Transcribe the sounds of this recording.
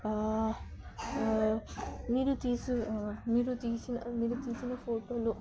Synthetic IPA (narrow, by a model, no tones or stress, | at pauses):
miːɾut̪iːsumiːɾut̪iːsinɐmiːɾut̪iːsinɐpʰoːʈoːlu